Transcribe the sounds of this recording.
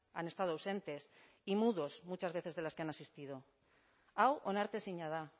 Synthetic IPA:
anest̪aðoawse̞nt̪e̞s | imuðo̞zmut͡ʃazβe̞θezðelaskeanasist̪ið̞o̞ | awʔonaɾt̪esiɲaða

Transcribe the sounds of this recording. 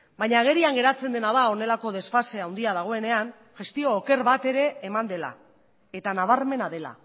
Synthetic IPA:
bajɲaːɣ̞e̞ɾiaŋɡe̞ɾat͡se̞nd̪e̞naðao̞ne̞lako̞ð̞e̞sfase̞awnd̪iaðaɣ̞o̞e̞ne̞an | ʝe̞st̪io̞ːke̞ɾβat̪e̞ɾe̞ːmand̪e̞la̰ | e̞t̪anaβ̞aɾme̞naðe̞la̰

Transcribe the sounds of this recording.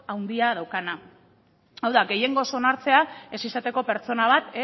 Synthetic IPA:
awnd̪iað̞awkana | awðaɡe̞je̞ŋɡo̞so̞naɾt͡se̞ae̞sisat̪e̞ko̞pe̞ɾt͡so̞naβ̞at̪e

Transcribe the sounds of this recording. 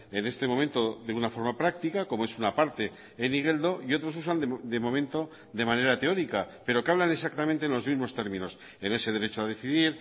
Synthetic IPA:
e̞ne̞st̪e̞mo̞mẽnt̪o̞ðeɣunafo̞ɾmapɾakt̪ikako̞mo̞e̞sunapaɾt̪e̞ː | niɣeld̪o̞io̞t̪ɾo̞s̬usand̪emo̞mẽ̞nt̪o̞ | ðe̞mãne̞ɾat̪e̞o̞ɾikape̞ɾo̞keaβlane̞s̬ak̚t̪amẽnt̪enlo̞zmizmo̞st̪e̞ɾmĩno̞s | e̞ne̞se̞ðe̞ɾe̞t͡ʃoað̞e̞θiðiɾ

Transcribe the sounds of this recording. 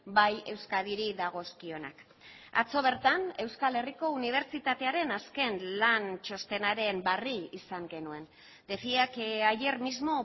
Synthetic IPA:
baje̞wskaðiɾiðaɣ̞o̞skio̞na̰k | a̰t͡so̞β̞e̞ɾt̪ane̞wskale̞riko̞uniβ̞e̞ɾt͡ʃit̪at̪e̞aɾe̞naske̞nlant͡ʃo̞st̪e̞naɾe̞mbariisaŋɡe̞nue̞n | d̪e̞fiakaje̞rmizmo̞

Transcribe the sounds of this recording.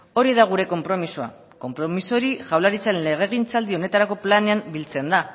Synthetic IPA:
o̞ɾið̞aɣ̞uɾe̞ko̞mpɾo̞misoa̰ | ko̞mpɾo̞miso̞ɾiʝawlaɾit͡sanle̞ɣ̞e̞ɣ̞int͡sald̪ione̞t̪aɾako̞plane̞ambilt͡se̞nd̪a

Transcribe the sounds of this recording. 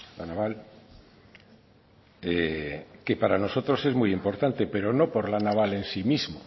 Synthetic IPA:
lanaβal | eke̞paɾano̞so̞t̪ɾo̞se̞zmujimpo̞ɾt̪ant̪e̞pe̞ɾo̞no̞po̞ɾlanaβ̞ale̞nsimizmo

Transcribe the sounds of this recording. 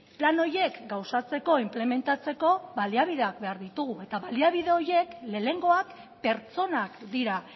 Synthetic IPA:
plano̞ɾje̞kɡawsat͡se̞ko̞imple̞me̞nt̪at͡se̞ko̞βaliaβiðe̞ak̚be̞aɾðit̪uɣ̞ue̞t̪aβaliaβiðe̞o̞ɾje̞kle̞ːle̞ŋɡo̞ak | pe̞ɾt͡so̞nakd̪iɾa

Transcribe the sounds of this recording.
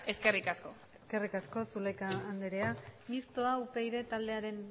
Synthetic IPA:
e̞ske̞rikasko̞ | e̞ske̞rikasko̞sulekaːnd̪eɾeamist̪o̞aupe̞jðe̞t̪ald̪e̞aɾe̞n

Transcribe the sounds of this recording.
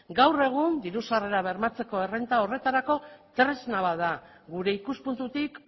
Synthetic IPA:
ɡawre̞ɣ̞und̪iɾusare̞ɾaβe̞ɾmat͡se̞ko̞e̞rent̪ao̞re̞t̪aɾako̞t̪ɾe̞znaβaða | ɣuɾe̞ikuspunt̪ut̪ik

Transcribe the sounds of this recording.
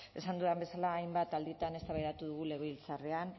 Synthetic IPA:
e̞sand̪uðambe̞salaːjmbat̪ald̪it̪ane̞st̪aβajɾat̪uðuɣ̞ule̞ɣeilt͡sarean

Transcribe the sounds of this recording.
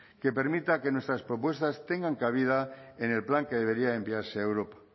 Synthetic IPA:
ke̞pe̞ɾmit̪ake̞nwe̞st̪ɾaspɾo̞pwe̞st̪ast̪e̞ŋɡaŋkaβ̞iðaene̞lplaŋke̞ð̞e̞β̞e̞ɾiaembiaɾseewɾo̞pḁ

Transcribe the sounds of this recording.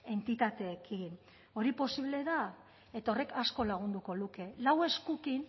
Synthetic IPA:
e̞nt̪it̪at̪e̞ːkʰin | o̞ɾipo̞siβle̞ða | et̪o̞re̞kasko̞laɣ̞und̪uko̞luke̞lawe̞skukin

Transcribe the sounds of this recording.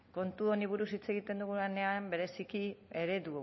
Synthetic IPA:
ko̞nt̪uoniβ̞uɾusit͡se̞ɣit̪e̞nd̪uɣulane̞ambe̞ɾe̞sikie̞ɾe̞ðu

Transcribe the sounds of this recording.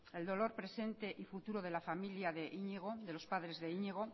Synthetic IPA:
e̞ld̪o̞lo̞ɾpɾe̞se̞nt̪e̞ʔifut̪uɾoðe̞lafamiljaðe̞ʔiɲeɣ̞o̞ðelo̞spaðɾe̞zðeiɲeɣ̞o̞

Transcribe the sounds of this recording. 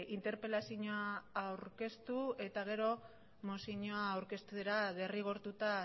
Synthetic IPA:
int̪e̞ɾpe̞lasiɲoaːwɾke̞st̪ue̞t̪aɣ̞e̞ɾo̞ | mosiɲoaːwɾke̞st̪ueɾaðe̞riɣ̞o̞ɾt̪ut̪a

